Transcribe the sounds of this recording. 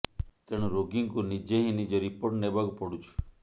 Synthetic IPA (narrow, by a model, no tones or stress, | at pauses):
t̪eɽ̃ũɾoɡiŋkunid͡ʒeɦĩnid͡ʒoɾipoɾʈnebʱaɡpɔɽũt͡ʃʰu̥